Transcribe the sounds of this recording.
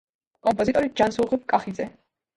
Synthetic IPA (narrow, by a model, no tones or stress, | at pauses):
kʼɔmpʼɔzit̪ʼɔɾid͡ʒansulˠʁivkʼaχid̪zɛ